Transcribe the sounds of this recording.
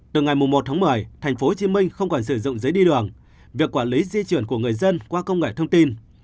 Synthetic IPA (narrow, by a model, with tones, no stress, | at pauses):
t̪ɨ˨˩ŋa˨˩jmʊ˨˩ŋ͡mmo˨˩t̪̚ʰaː˨˦˥mɨ˨˩əjt̪ʰa˨˩jŋ̟fo˨˦t͡ɕi˨˦mï˧ŋ̟xə˧wŋ͡mkɔ˨˩nsɨ˧˩zʊ̰˧˨ŋ͡mzəː˨˦jɗi˧ɗɨ˨˩əŋ | vi˨˩əkːwaː˧˩nli˨˦zi˧t͡ɕwənku˧˩əŋɨ˨˩əjzə˧nkwaː˧kə˧wŋ͡mŋḛ˧˨˩t̪ʰə˧ŋ͡mt̪i˧n